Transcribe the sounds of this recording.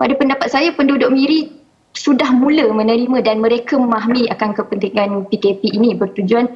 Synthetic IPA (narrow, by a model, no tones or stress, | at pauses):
padapəndapat̪̚sajapəndudʊʔ̚miɾi | sudahmũləmə̃nə̃ɾimãdanmə̃ɾekəmaɦmĩakankəpənt̪iŋãnpikepiʔːnĩbərt̪ud͡ʒuan